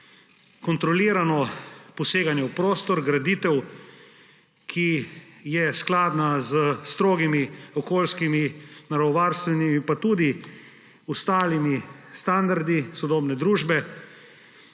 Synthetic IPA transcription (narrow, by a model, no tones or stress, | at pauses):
kɔnt̪ɾɔliːɾanɔpɔseːɡanjɛwpɾoːst̪ɔɾɡɾad̪iːt̪ɛw | kʰijɛsklaːd̪nazəst̪ɾoːɡimiɔkoːlskiminaɾɔɔʋaːɾst̪ʋɛnimipat̪ud̪i | ɔst̪aːlimist̪and̪aɾd̪isɔd̪oːbnɛd̪ɾuːʒbɛ